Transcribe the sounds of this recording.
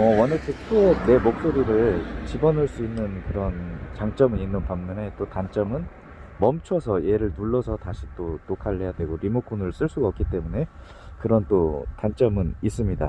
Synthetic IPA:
ʌwʌnet͡ɕʰek̚t͈one̞mok̚s͈oɾiɾɯɭt͡ɕibʌnɯɭs͈uinːɯnkɯɾʌnt͡ɕaŋt͡ɕ͈ʌmɯninːɯnpaŋmʌne̞t͈otant͡ɕ͈ʌmɯn | mʌmt͡ɕʰʌsʰʌje̞ɾɯɭnuɭːʌsʰʌtaɕʰi̥t͈ot͈okaʎːejadwe̞ɡoɾimok͈ʰunɯɭs͈ɯɭs͈uɡaʌp̚k͈it͈e̞mune̞ | kɯɾʌnt͈otant͡ɕ͈ʌmɯnis͈ɯmɲida̰

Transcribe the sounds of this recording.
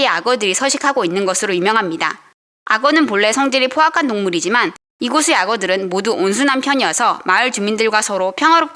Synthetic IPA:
eaɡʌdɯɾisʰʌɕʰikʰaɡoinːɯnɡʌsʰɯɾojumjʌŋɦamɲida̰ | aɡʌnɯnpoɭːe̞sʰʌŋd͡ʑiɾipʰoɦakʰantoŋmuɾid͡ʑiman | iɡosʰeaɡʌdɯɾɯnmoduʔonsʰunampʰjʌɲiʌsʰʌmaɯɭt͡ɕumindɯɭɡwasʰʌɾopʰjʌŋɦaɾo

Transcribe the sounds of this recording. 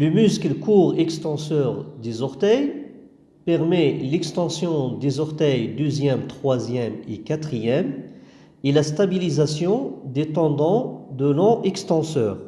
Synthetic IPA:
ləmyskləkuʁɛkst̪ɑ̃sœʁd̪ezɔʁt̪ɛj | pɛʁmɛlɛkst̪ɑ̃sjɔ̃d̪ezɔʁt̪ɛjd̪øzjɛmt̪χwazjɛmḛkat̪χijɛm | elast̪abilizasjɔ̃d̪et̪ɑ̃d̪ɑ̃d̪əlɔ̃ʔɛkst̪ɑ̃sœːʁ

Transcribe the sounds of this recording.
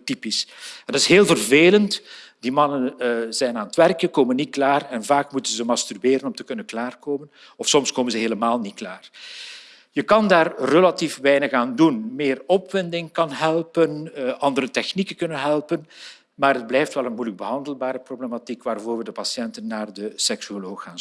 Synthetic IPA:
tipisɛndɑtɪsɦeːlˠvərveːlənt | dimɑnənzɛjnaːnətʋɛrkənkoːmənːit̚klaːrɛnvaːkmutənzəmɑstyrbeːɾənɔmtəkɵnənklaːrkoːmən | ɔfsɔmskoːmənzəɦeːləmaːlˠnit̚klaːr | jəkɑndaːrːəlatifbɛjnəxaːndunmeːrɔpʋɪndɪŋkɑnɦɛlˠpənʔɑndəɾətɛxnikəkɵnənɦɛlˠpən | maːɾɦəd̚blɛjftʋɛlˠənmujləɡ̚bəɦɑndəlˠbaːɾəproblematikʋaːrvoːrʋədəpɑsjɛntənːaːrdəsɛksyoloːxaːn

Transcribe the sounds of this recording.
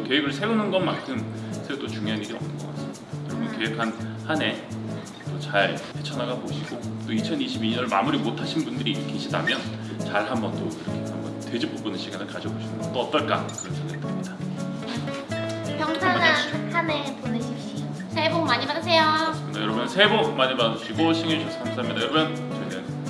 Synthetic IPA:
ke̞ibɯɭsʰe̞unɯnɡʌnmankʰɯmsʰeɡot͈ot͡ɕuŋjoɦaniɾiʌ̰mnɯnɡʌk͈a̰ts͈ɯmiidajʌɾʌmjʌnkeɦekʰanhane̞ | tot͡ɕaɭpʰet͡ɕʰʌnaɡaboɕʰiɡot͈oit͡ɕʰʌniɕʰibiɲʌnmamuɾimotʰaɕʰinbundɯɾikʰeɕʰidamjʌn | t͡ɕaɭɦambʌnt͈oiɾʌkʰeambʌnted͡ʑipop͈ɯnɯnɕʰiɡanɯɭkad͡ʑʌboɕʰinɯnʌt͈oʌt͈ʌɭk͈a̰kɯɾʌkʰeɡand͈emɲida | pjʌŋtʰanahʰaneponɯɕʰiɕi | sʰebok̚maɲimadasʰe̞jo | ejʌɾʌbunnsʰe̞bok̚maɲimaɯɕʰiɡoɕʰiŋeɕʰus͈ʰʌamsʰamɲidajʌɾʌbun | t͡ɕʌinan

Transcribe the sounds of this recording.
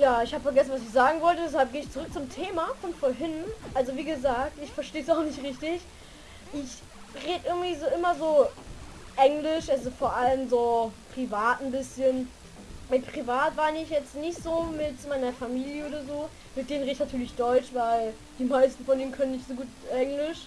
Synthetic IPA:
jaːɪçhaːbəfɛɐɡɛsn̩vas̬ɪçz̥aːɡŋ̩vɔltədɛs̬halp̚ɡ̥eːəɪçt͡suʁʏk̚t͡sʊmtʰeːmafɔnfoːɐɦɪnʔalzoviːɡəzaːk̚tɪçfɛɐʃteːəsaʊxnɪçtʁɪçtɪç | ʔɪç | ʁeːdəʔɪɐɡŋ̩tv̥iːzoːʔɪmɐzoː | ʔɛŋlɪʃʔalzofoːɐʔaləmzoːpʁ̥ivaːtn̩bɪsçən | mɪt̚pʁ̥ivaːtv̥aːnɪɪçjɛt͡stnɪçtz̥oːmɪtmaɪnɐfamiːljəʔoːɾɐzoː | mɪt̚d̥eːnən̩ʁeːdɪçnatʰyːɐlɪçd̥ɔʏt͡ʃvaɪl | d̥iːmaɪstn̩fɔndiːnkʰœnənɪçtz̥oːɡuːtʔɛŋlɪʃ

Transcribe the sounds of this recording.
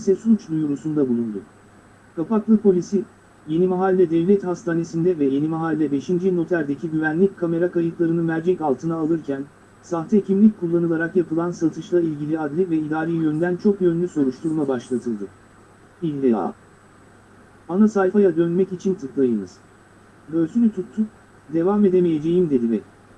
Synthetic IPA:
sɛsut͡ʃd̪ujuɾusund̪abulˠund̪ʊ̰ | kʰapaklˠɯpʰo̞lʲisi | je̞nimaɦalʲːɛd̪ɛvlʲɛt̪hast̪ʰaːne̞sind̪ɛvɛje̞nimaɦalʲːɛbe̞ʃind͡ʒino̞t̪lʲæɾd̪e̞cʰiɟyvænlʲic̚kʰame̞ɾakʰajɯk̪lˠaɾɯnɯmæɾd͡ʒɛcalˠt̪ʰɯnaːlˠɯɾcʰæn | saxt̪ʰɛcʰimlʲic̚ʲkʰulˠːanɯlˠaɾakjapʰɯlˠansat̪ʰɯʃlˠailʲɟilʲiad̪lʲivɛid̪aːɾijjø̞nd̪ænt͡ʃʰo̞kjø̞nlʲyso̞ɾuʃt̪ʰuɾmabaʃlˠat̪ʰɯlˠd̪ɯ | ilʲɛa̰ | anasajfajad̪ø̞nmɛcit͡ʃʰint̪ʰɯklˠajɯnɯz̥ | bø̞lsynʲyt̪ʰut̪ʰːuk̚ | d̪e̞vaːme̞d̪emeje̞d͡ʒe̞jimd̪e̞d̪imɛ

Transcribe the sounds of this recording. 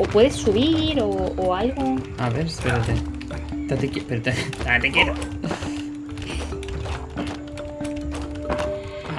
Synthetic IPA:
opwe̞ðesːuβ̞iɾoːalɣo | aβeɾespeɾat̪e | t̪at̪ekepeɾt̪et̪at̪ekjeɾo

